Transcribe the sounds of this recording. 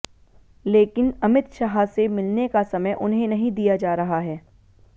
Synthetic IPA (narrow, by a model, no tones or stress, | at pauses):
leːkɪnɐmɪt̪ʃaːɦasemɪlnekasɐməjʔʊnɦẽnɐɦĩd̪ijad͡ʒaːɾɐɦaɦɛː